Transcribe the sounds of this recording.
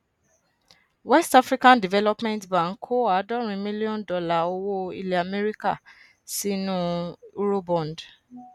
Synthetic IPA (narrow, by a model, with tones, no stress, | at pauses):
wɛ˦sta˦fɾi˦kã˦ndi˨vɛ˦lɔ˦pmɛ̃˦ntbã˨ŋ̩˦˨kʰo˦a˨˦dɔ˦ɾ̃ĩ˧mĩ˦li˦ɔ̃˦ndɔ˧la˦˨o˦˧wo˦ḭ˧le˨a˨mɛ˦ɾi˦ka̰˦˨ | si˦nũ˦u˦ɾo˦bɔ̃˨nd